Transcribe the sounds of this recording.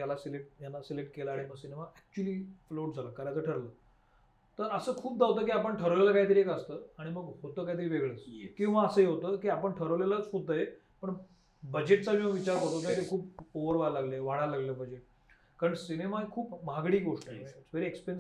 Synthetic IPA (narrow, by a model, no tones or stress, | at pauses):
jalasileʈ̚janːasilekʈ̚kelaaːɽ̃iməɡsinemaæk̚t͡ɕuəliːfloʈd͡zʱaləːkaɾat͡səːʈʰəɾləː | t̪əɾəsəːkʰuːp̚d̪aʋt̪əːkiːapəɳʈʰəɾəʋleləːkaɦit̪əɾiekəst̪əːaɽ̃iməɡhot̪əːkaɦit̪əɾiːʋeɡɭəːt͡skĩw̃ʋaəsəːjeɦot̪əːkiːapəɳʈʰəɾəʋleləːt͡sɦod̪̚t̪əje | pəɳ | bəd͡ʑeʈ̚t͡samiməʋit͡ɕaɾkəɾt̪ot̪ət̪ekʰuːpoʋəɾʋajalaɡləʋaɽ̃alaɡləːbəd͡ʑeʈ̚ | kaɾəɳsinemakʰuːpmaɡɽiːɡoʂʈəʋeɾeekspen